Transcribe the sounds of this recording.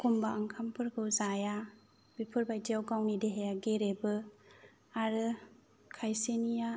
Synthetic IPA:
kʰumbaaŋkʰampʰɯɾkʰɯwzaja | bipʰɯɾbajdiawɡawnideɦejaɡeɾebɯ | aɾɯ | kʰajsenija

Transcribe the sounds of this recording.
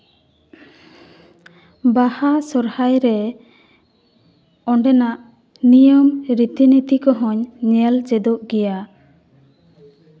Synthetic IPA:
bahasɔɾhajɾɛ | ɔɳɖɛnaʔ | nijɔmɾit̪init̪ikɔɦɔ̃ɲnɛld͡ʒɛd̪ɔʔɡɛja

